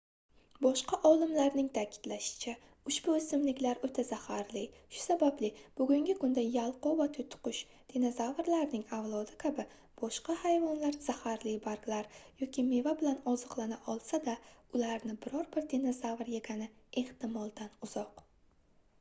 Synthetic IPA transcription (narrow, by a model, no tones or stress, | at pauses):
bɒʃqɑʔɒlˠɪmlaɾnɪŋt̪ʰakʲʰɪ̥d̪̥laʃɪ̥t͡ʃʰa | ʊʃbʊɪsɪmlɪkʲlaɾot̪ʰazahaɾlɪʃʊ̥sabablɪb̥ʊɡʲʊŋɡʲɪkʊnd̪ajalˠqɒvat̪ʰʊjt̪ʰʊ̥qʊʃ | d̪̥ʰenozavɾlaɾnɪŋavlˠɒd̪ɪkʲʰabɪ | b̥ɒʃqɑhajvɒnlaɾz̥ahaɾlɪbaɾɡlaɾjɒkʲʰime̞vabɪlanɒzɨqlˠanaʔɒlˠsad̪aʊlaɾnɪbɪɾɒɾbɪɾd̪ʰenozavɾje̞ɡʲanɪe̞ht̪ɪmɒlˠd̪anʊz̥ɒq